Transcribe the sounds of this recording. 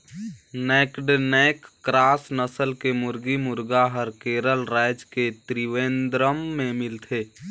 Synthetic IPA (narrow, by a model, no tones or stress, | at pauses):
neːkɖnɛkːɾaːsnəsəlkemʊɾɡimʊɾɡaɦəɾkeːɾəlɾaɪd͡ʒket̪ɾiʋeːnd̪ɾəmːẽmɪlt̪ʰe